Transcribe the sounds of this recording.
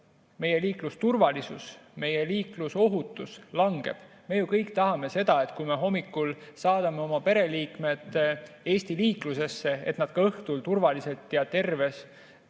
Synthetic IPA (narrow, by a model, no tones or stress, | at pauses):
me̞je̞liːklust̪urvɑlisusme̞jeliːkluso̞ɦut̪ːˑuslɑŋɡ̥e̞̰b̥ | me̞jukɤjkt̪ɑɦɑme̞se̞d̪̥ɑe̞t̪kujme̞ɦo̞mːikːˑulsɑːd̪̥ɑme̞o̞mɑpe̞ɾe̞liːkme̞d̪̥e̞ːsʲt̪iliːkluse̞sːe̞e̞̰t̪nɑd̪̥kɑɤht̪ult̪urvɑlise̞lt̪ːiɑt̪e̞rve̞s